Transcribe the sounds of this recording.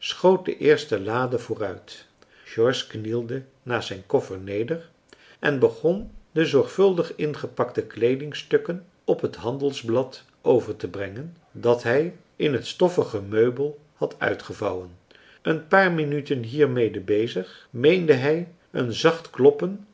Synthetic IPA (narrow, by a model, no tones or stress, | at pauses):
sχowt̚də̰ʔɪːɹstəlaːdəvʊːrœɥt | ʒɔɹsknilˠdə | naːzɛjnkɔfəɹnejdəɹ | ʔɛnbəχɔndəzɔɹχfɵlˠdəχɪnχəpɑktəklejdɪŋstɵkən | ɔpɦətɦɑndəlˠzblɑt | ʔowvəɹtəbrɛŋən | dɑtɦɛj | ʔɪnɦətstɔfəχəmøɥbəlˠ | hɑtœ̰ɥtχəvɑwən | ənpaːɹminytənɦiːɹmejdəbejzəχmejndəɦɛj | ə̰nzɑχtklɔpən